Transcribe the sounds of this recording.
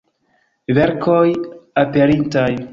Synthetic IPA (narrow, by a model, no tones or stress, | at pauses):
veɾkʰojapeɾintaj